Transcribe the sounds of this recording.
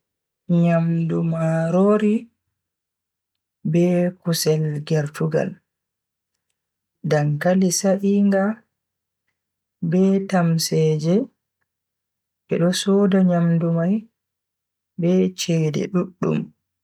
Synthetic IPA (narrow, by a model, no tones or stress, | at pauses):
ɲamdumaɾoɾi | bɛkusɛlɡɛɾtuɡa̰l | daŋkalisaʔiŋɡa | bɛtamsɛːd͡ʒɛ | bɛɗɔsɔdaɲamdumaj | bɛt͡ʃɛdɛ̰ɗuɗːṵm